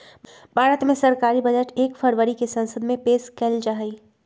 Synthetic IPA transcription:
bʱaːɾət̪mẽsɐɾkaːɾibɐd͡ʒəʈeːkfɐɾʋəɾikesɐ̃nsəd̪mẽpeːskɛld͡ʒaːɦiː

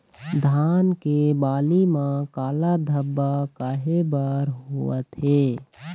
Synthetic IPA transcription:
d̪ʱaːnkebaːlimãkaːlad̪ʱəbːakaɦebaɾɦuət̪ɦeː

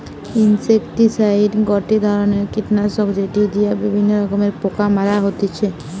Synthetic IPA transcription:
insekʈisajɖɡɔʈid̪ʱɔɾoneɾkiʈnasɔɡd͡ʒeʈid̪ijabibʱinːoɾɔkomeɾpokamaɾaɦot̪it͡ʃʰe

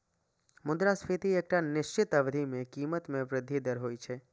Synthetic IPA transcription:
mʊd̪ɾaspʰet̪ieːk̚ʈanɪʃt͡ʃɪt̪əʋd̪ʱimẽkiːmət̪mẽpɾɪd̪ʱːid̪əɾɦoːit͡ʃʰe

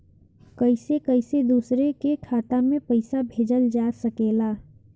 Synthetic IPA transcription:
kəɪsekəɪsed̪uːsɾekekʰaːt̪amẽpəɪsabʱeːd͡ʒəld͡ʒaːsəkeːlaː

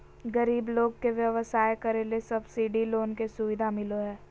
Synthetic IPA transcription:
ɡɐɾiːbloːɡ̚keʋjəʋəsaːekɐɾelesɐbsiːɖiloːnkesʊʋɪd̪ʱamɪloɦɛː

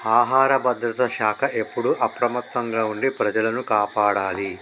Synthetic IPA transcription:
aːɦaːɾɐbɐd̪ɾɐt̪ɐʃaːkʰɐʔe̞pːuɽuʔɐpɾɐmɐt̪ːɐŋɡaːuɳɖipɾɐd͡ʒɐlɐnukaːpaːɽaːli

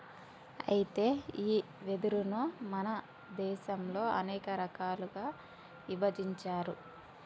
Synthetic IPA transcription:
ɐ̰jit̪e̞ːiː | ʋed̪uɾunumɐnɐ | d̪ɛːʃɐmlo̞ːɐnɛːkɐɾɐkaːluɡaː | ʋibɐd͡ʒiɲt͡ʃaːɾu

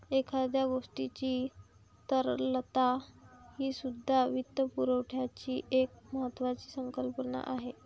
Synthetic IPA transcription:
ekʰad̪jaɡoʂʈit͡ɕiː | t̪əɾlət̪ahiːsud̪ʱːaʋit̪ːəpuɾəʋʈʰjat͡ɕiːʔek̚məɦət̪ːʋat͡ɕi̥ːsəŋkəlpəna̰ʔaɦe

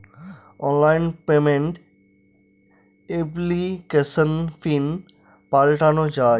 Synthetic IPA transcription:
ɔnlajnpemeɳʈ | eblikesənfin | palʈanod͡ʑa

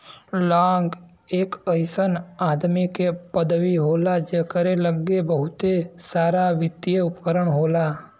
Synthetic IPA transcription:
lãːɡ | eːkəjsənaːd̪mikepəd̪ʋiɦoːlad͡ʒekəɾeləɡːebəɦʊt̪esaːɾaʋɪt̪jeʊpəkəɾəɳɦoːla

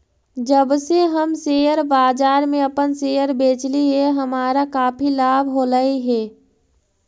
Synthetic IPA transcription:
d͡ʒəbseɦəmseːjəɾbaːd͡ʒaːɾmẽəpənseːjəɾbeːt͡ʃliɦɛɦəmaːɾakaːpʰilaːbʱɦoːləiɦɛː

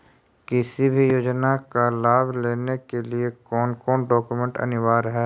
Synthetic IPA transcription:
kɪsibʱijoːd͡ʒnakalaːbleːnekeliekɔːnkɔːnɖɔːkumɛ̃ɳʈɐ̰nɪʋaːɾɦɛː

